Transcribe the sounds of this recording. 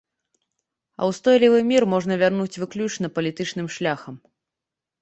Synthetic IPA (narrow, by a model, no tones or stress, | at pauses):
ɐ̰wst̪ɔjlʲivɨmʲirmɔʐn̪ɐvʲarnut͡sʲvɨklʲut͡ʂnɐpɐlʲit̪ɨt͡ʂn̪ɨmʂlʲaxɐm